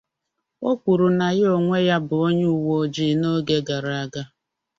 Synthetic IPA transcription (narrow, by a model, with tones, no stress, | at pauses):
o˦kʷu˨ɾu˨na˨ɣɪ˦o˨ŋʷe˦ja˦bʊ˨o˦ɲʊ˦u˨wo˨˦d͡ʒi˦no˦ɡe˦ɡa˨ɾa˨ɡa˦